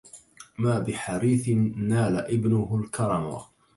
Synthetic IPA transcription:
maːbɪħaɾiːθɪːaːlaʔɪbnʊhʊlkʰɑɾˤɑma̰

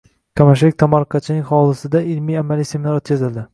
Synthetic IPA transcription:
kʰamaʃ̬lɪk̚ʲt̪ʰamɑɾqʰɑt͡ʃʰɪnɪŋʲχɒlˠɪsɪd̪aɪlmijamalijse̞mɪnaɾot̪kʲʰazɪld̪ɪ

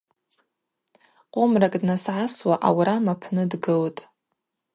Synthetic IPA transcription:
qʷʼomrakʼdnasʕaswaʔawɾamapʰnɨdɡɨltʼ

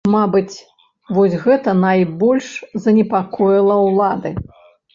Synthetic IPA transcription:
mabɨt͡sʲ | vɔsʲɣɛt̪ɐnajbɔlʲʂzɐnʲɛpakɔjilˠɐwlˠad̪ɨ̰

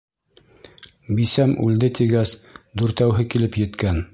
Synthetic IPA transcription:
bisæmʉld̪ɘt̪iɡæsd̪uɾt̪æwɦɘkilɘpjɘ̆t̪kæn

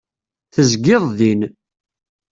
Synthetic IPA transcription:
θəzɡɪðˤðin

